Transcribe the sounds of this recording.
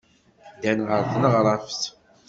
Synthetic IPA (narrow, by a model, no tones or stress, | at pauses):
d̪ænʁəɾθənəʁɾˤafs